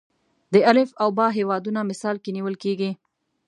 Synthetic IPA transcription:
d̪əalɪfawbɑɦewɑd̪unamɪsɑlkeniwəlkeɡi

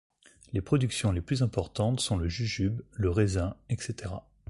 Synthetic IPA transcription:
lepχɔd̪yksjɔ̃leplyzɛ̃pɔʁt̪ɑ̃t̪sɔ̃ləʒyʒybləʁezɛ̃ɛkset̪eʁa

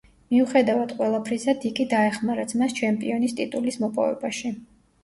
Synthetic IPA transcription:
miuχɛd̪avad̪̥qʼwɛlˠapʰɾizad̪ikʼid̪aɛχmaɾat̪sʰmast͡ʃʰɛmpʼiɔnist̪ʼit̪ʼulismɔpʼɔ̰vɛ̰baʃi

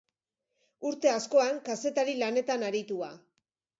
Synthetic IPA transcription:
uɾt̪e̞asko̞aŋkase̞t̪aɾilane̞t̪anaɾit̪ua

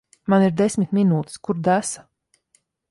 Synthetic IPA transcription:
maniɾd̪esʲmʲit̪mʲinuːt̪i̥skuɾd̪æsḁ

